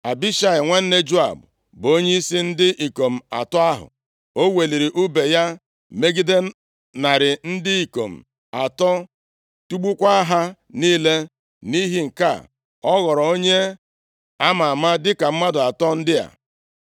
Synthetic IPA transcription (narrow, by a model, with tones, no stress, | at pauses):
a˨bi˦ʃa˦ɪ˨ŋʷe˦n̩˦ne˦d͡ʒu˦a̰˨bʊ˨ | bo˦ɲe˦i˦si˦n̩˦dɪ˦ʔi˨ko˨m̩˨a̰˨tɔ˦a˦ɦʊ̰˨ | o˦we˨li˨ɾi˨ʔu˦be˨ja˦ | me˦ɡi˦de˦ | na˨ɾɪ˨n̩˦dɪ˦i˨ko˨m̩˨ | a˨tɔ˦ | tu˦ɡ͡bu˦kʷa˦a˦ɦa˦ | niː˦le˦ | ni˦ɦi˦ŋ̩˨ka̰˦˨ | ɔ˦ɣɔ˨ɾɔ˨o˦ɲe˦ | a˦ma˨ma˦dɪ˦ka˨m̩˦ma˦dʊ˨a˨tɔ˦n̩˦dɪ˦a̰˨